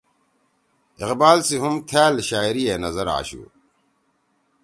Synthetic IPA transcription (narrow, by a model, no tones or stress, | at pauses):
iqbaːlsiɦumt̪ʰaːlɕaːiɾijenɐzɐɾa̰ːɕṵː